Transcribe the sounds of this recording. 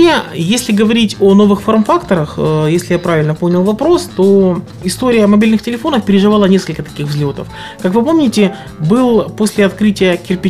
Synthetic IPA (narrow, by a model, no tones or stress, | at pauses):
ejesʲlʲɪɡəvɐɾʲitʲono̞vɨxformfakt̪əɾəxəjesʲlʲɪjapɾavʲɪlʲnəponʲɪlˠvɐpɾo̞st̪o̞ | ɪst̪o̞ɾʲɪjəmɐbʲilʲnɨxtʲɪlʲɪfo̞nəfpʲɪɾʲɪʐɨvɑlˠənʲe̞skəlʲkət̪ɐ̥kʲixvzʲlʲot̪ə̰f | kakvɨpo̞mnʲɪtʲɪ | bɨlˠposʲlʲɪɐt̪kɾɨtʲɪjəkʲɪrpʲɪ